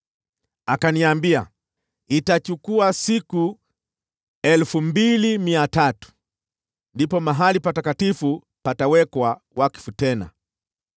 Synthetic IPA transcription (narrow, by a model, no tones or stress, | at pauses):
akaniambia̰ | itat͡ʃukuasiku | ɛlfumbilimiatatu̥ | ndipɔmaɦalipatakatifu | patawɛkwa | wʔaki̥futɛna̰